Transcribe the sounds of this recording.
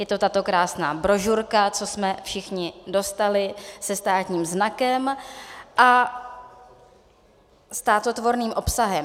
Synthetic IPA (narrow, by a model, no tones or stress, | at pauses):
jɛt̪o̞t̪at̪o̞kɾaːsnaːbɾo̞ʒuɾkat͡so̞smɛfʃɪxɲɪdo̞st̪alɪsɛst̪aːt̪ɲiːmznakɛmʔa | st̪aːt̪o̞t̪vo̞ɾniːmʔo̞psaɦɛm